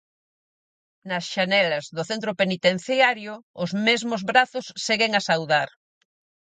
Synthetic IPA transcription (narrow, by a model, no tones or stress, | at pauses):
nɐsʃanɛlɐzðʊθent̪̬ɾopenit̪en̟θjaɾjʊʊzmezmozβɾaθʊsːeɣeŋasawðaɾ